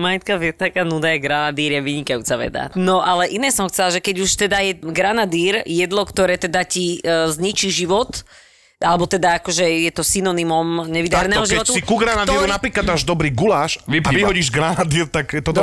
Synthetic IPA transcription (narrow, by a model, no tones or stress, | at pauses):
majt̪kavɪɛt̪akaːnud̪ajɛɡɾanad̪iːɾjɛʋiɲikajṵːt͡saʋɛ̰d̪a̰nɔʔalɛʔinɛːsɔmxt͡sɛlaʒɛkɛɟuʃt̪ɛd̪ajɛɡɾanad̪iːɾjɛd̪lɔkt̪ɔɾɛːt̪ɛd̪acizɲit͡ʃiʒiʋɔt̪ | alɛbɔt̪ɛd̪aakɔʒɛjɛt̪ɔsinɔnimɔmɲɛʋid̪aɾɛnɛːɦɔʒiʋɔt̪usikuɡɾanad̪iɾɾunapɾiːklad̪maːʒd̪ɔbɾiːɡulaːʃiʋiɦɔɟiʒɡɾanad̪iɾt̪aɡjɛt̪ɔ